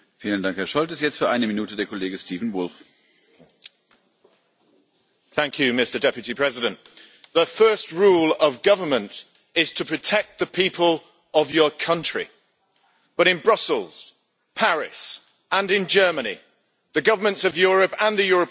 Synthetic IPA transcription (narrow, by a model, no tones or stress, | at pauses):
fiːləndãŋkhɛɐʃɔltɪstjɛt͡stfyːɐʔaɪnəminuːtədeːɐkʰɔleːɡəstiːvn̩vʊlf | θæ̃ŋkʰjʉmɪstədɛpjɨtipʰɹ̥ɛzɪɾə̃nʔ | ðəfɜˑst̚ɹuːləvɡʌvəmə̃nt | ɪz̥tʰəpʰɹ̥ətʰɛk̚t̪̚ðəpʰiˑpʰəlˠ | əvjəkʰʌ̃nt͡ʃɹ̥ḭ | b̥ʌɾɪ̃nbɹʌsəl̩ˠz̥ | pʰaɹɪ̰s | ə̃nɪ̃nd͡ʒɜːmənḭ | ðəɡʌvəmə̃ntsəvjɔːɹəpə̃nðəjɔːɹəp